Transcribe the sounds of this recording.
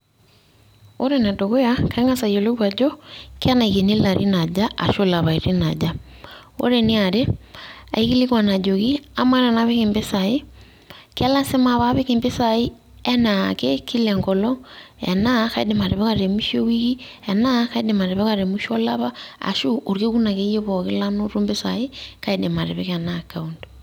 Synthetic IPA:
o˦ɾe˨na˨do˨ɣo˦ja˦ka˦ŋa˦sa˨jo˨lo˦ɾwa˨d͡ʒɔ˦ke˦a˦na˨iɣe˨ne˦la˨ɾʔḭ˦na˨d͡ʒa˦ʔa̰˨ʃo˦la˨βa˨i˨ɾi˦na˨d͡ʒa˦ | o̰˦ɾe˨ni˦a˨ɾe˦a̰˨iɣi˦li˦ɣwa˨na˨d͡ʒo˨ɣi˦a˦ma˦ɾa˨na˦βe˦ke˨mbe˦sa˨i˦ | ke˦a˦la˦se˦ma˨βa˦βe˦ke˨mbe˦sa˨i˦ | ɛ˦na˨ke˦kʰi˦lɛ˨ŋɡɔ˨lɔ˦ɛ̰˨na˦ka˦ḭ˦de˨ma˨ɾe˨βe˦ka˨ɾe˨mi˦ʃo˦wi˦ki˦ | ɛ˨na˦ka˦i˦de˨ma˨ɾe˨βe˦ka˨ɾe˨mu˦ʃo˦la˦βa˦a̰˨ʃu˦ʔo˨ɾke˦ku˦na˨ke˦je˦βɔ˨ke˦la˦no˦ɾu˦mbe˦sa˨e˦ka˦i˦de˨ma˨ɾḛ˨βe˦ka˨naka˨undo

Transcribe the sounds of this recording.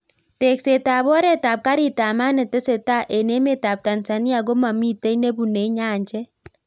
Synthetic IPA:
te˨kse˨ta˨βɔ˦ɾe˨ta˨p̚ka˦ɾi˨ta˨ma˦ne˨te˦se˨ta˦ʔe˨ne˦me˦˨ta˨p̚ta˨nsa˨ni˦a˨ɡo˦ma˨mi˦˨te˦i˦ne˦bu˨ne˨˦ɲaː˦˨ɲd͡ʒɛ˦

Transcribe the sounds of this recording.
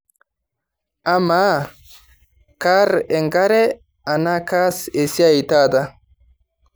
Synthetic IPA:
a˦maː˦ | kaː˦ɾɛ˨ŋɡɐ˦ɾɛ˦ | a˨na˦kaː˦se˨sɪ˦a˨jt̪aː˦d̪a˦

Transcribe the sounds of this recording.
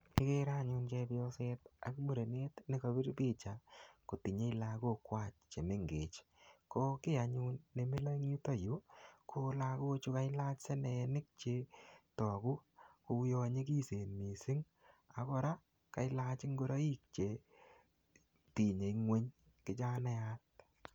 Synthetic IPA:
ɪ˦ke˦ɾa˦ɲu˧nt͡ʃe˧bjɔ˦se˧ta˨kmu˦ɾe˨ne˦tnɪ˦ko˧bi˦ɾbi˦t͡ʃa˨ko˨ti˨ɲe˦i˦la˧ɡo˦kwa˦t͡ʃt͡ʃe˨me˦ŋɡe˨t͡ʃ | ko˦kɪ˦a˨ɲu˦nːe˨me˦la˦ŋu˦ta˦ju˨˦kʰo˦la˧ɡo˦t͡ʃu˦ka˦jla˦t͡ʃse˦ne˨˧nɪ˦k̚t͡ʃe˧tɔ˨ɡu˦ko˧˦jɔ˧ɲi˦k̬i˦se˨nmi˨sɪ˦ŋ | a˨kɔ˦ɾa˦ | ka˨jla˧t͡ʃɪ˦ŋɡo˦ɾa˦i˦k̚t͡ʃe˨ | ti˨ɲe˨˦ŋwe˦ɲ | kɪ˨t͡ʃa˦nɛ˦at

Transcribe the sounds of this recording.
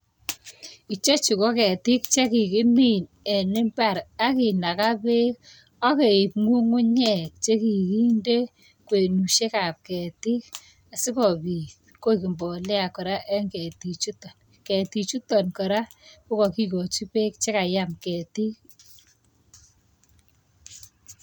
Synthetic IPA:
i˨t͡ʃe˦t͡ʃi˨ko˦kɛ˨tɪ˦kt͡ʃe˦ki˨kɪ˦mi˦˨n | ɛ˨nɪ˦mba˦˨ɾa˦ki˨na˨ka˦pe˦k | ɔ˦ke˨i˨p̚ŋu˦ŋʊ˦ɲɛ˦˨k̚t͡ʃe˦ki˨ki˦nde˦ | kwe˨nu˨ʃe˦ka˨p̚kɛ˨ti˦k̚ | a˨sɪ˦kɔ˨pi˨ | ko˦iki˨mbɔ˨lɛ˦a˨kɔ˨ɾa˦ʔɛ˦ŋkɛ˨ti˨t͡ʃu˦tɔ˨n | kɛ˨ti˨t͡ʃu˦tɔ˨nkɔ˨ɾa˦ | kʊ˦kɔ˨ki˦ko˨t͡ʃu˦pe˦k̚t͡ʃe˦ka˨ja˦mkɛ˨ti˦k̚

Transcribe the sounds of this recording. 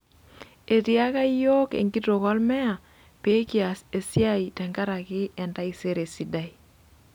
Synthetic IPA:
e˨ti˦a˦ka˦i˦jo˦kḛ˨ŋɡi˦to˨kɔ˦lmɛ˦a˨ | pe˦ki˦a˨se˨si˦a˦itɛ˨ŋɡa˦ɾa˨kɪ˦ɛ˨nda˦i˨se˦ɾe˨si˦da˦i˨

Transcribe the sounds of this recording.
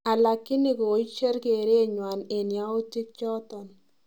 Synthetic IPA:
a˨la˨kːɪ˦nɪ˨ko˨i˦t͡ʃe˦ɾke˨ɾe˦˨ɲwa˨ne˨nja˦ʊ˦tɪ˦k̚t͡ʃɔ˦tɔ˨n

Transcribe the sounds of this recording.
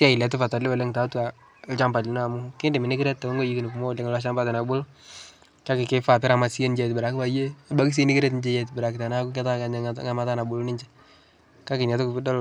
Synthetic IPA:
ta˦ɪ˨lɛ˨t̬ʊ˦fa˨ta˨lɪ˦wa˨le˦ŋta˨ta˨˦ | t͡ʃa˦mba˨lɪ˨n˦a˨mʊ˦kɪ˦ndɪ˨mɪ˨nɪ˦kɪ˦ɾɛ˦t̚tːa˨o˦ŋɡo˦ji˦tinɪ˨ku˨mɔ˦˨le˦ŋ˨lwa˦ʃa˦mba˦tɛ˨na˨bʊ˦l | ka˦kɪ˨kɪ˦fa˨pɪ˦ɾa˨ma˨si˦e˦nd͡ʒɛ˨tbɪ˨ɾa˨kba˨je˦ba˦ki˦s̬i˦ni˦kɪ˦ɾɛ˦t̬nd͡ʒe˦jɛ˦˨tbɪ˨ɾa˨kta˨na˦kʊ˦kɛ˦ta˦ka˨ɲŋa˦ma˦ta˦na˨bu˨lu˦nɪ˦ɲt͡ʃɛ˦ | ka˦kɪ˨ɲa˨t̬ʊ˦kʊ˨pɪ˦dɔ˦l

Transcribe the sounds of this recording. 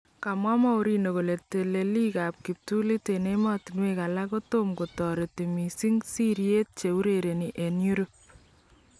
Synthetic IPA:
ka˨mwa˦mɔ˦u˦ɾi˦no˨ko˨le˨te˨le˨li˦ka˨p̚ki˨p̚tu˦li˦tene˦mɔ˦ti˨nwe˦ka˨la˦ko˦to˦mko˨tɔ˨ɾe˨ti˨mi˨si˦ŋsi˦ɾje˦t̚t͡ʃe˨u˦ɾeɾe˨ni˨ʔe˨nju˦ɾop̚

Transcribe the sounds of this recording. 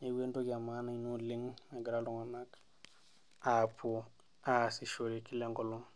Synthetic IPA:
e˨we˦nto˦ɡa˨ma˦na˨inu˦li˦ŋna˨ɡi˨ɾalu˨ŋa˨na˦k | a˨pu˦ | a˨si˨ʃo˨ɾi˨ki˦le˦ŋɡolo˦ŋ

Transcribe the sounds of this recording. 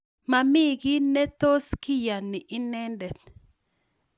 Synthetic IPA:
ma˨mɪ˦ɡɪ˦nɛ˦t̪o˦skɪ˦ja˨nːɪ˨ʔɪ˦nɛ˦ndɛ˨t̪̚

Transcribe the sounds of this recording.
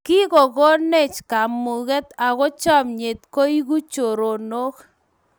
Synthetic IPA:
ki˦ko˨ko˦ne˦˨t͡ʃka˨mu˨ɣɛ˦t̪a˨ɣɔ˦t͡ʃɔ˦mɲe˨t̪̚ko˦i˦ku˦t͡ʃo˨ɾo˨no˦k

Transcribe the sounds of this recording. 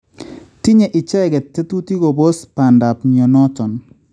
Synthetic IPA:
ti˦ɲɛ˨ʔɪ˨t͡ʃɛ˦˨ɡɛ˨tːe˦tu˦ti˦ko˨bo˦spa˨nda˨pɲ˨ɔ˨nɔ˦tɔ˨n

